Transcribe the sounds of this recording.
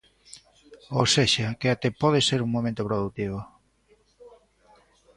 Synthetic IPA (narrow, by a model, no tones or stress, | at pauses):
owseʃakeat̪epɔð̞eseɾuŋmõmẽnt̪opɾoð̞ut̪iβ̞o